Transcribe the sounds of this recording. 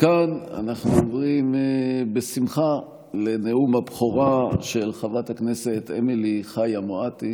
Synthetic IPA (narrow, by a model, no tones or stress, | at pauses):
kana̰naχnuovʁimbesimχa | leneumabχoʁaʃe̞lχavathakneset̪ḛmiliχajamoati